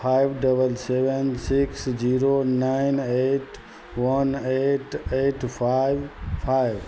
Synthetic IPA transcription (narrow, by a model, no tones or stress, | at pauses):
pʰajbɖəbəlsebensiksd͡ʒiɾonaɪneʈ | wəneʈeʈpʰajbpʰajb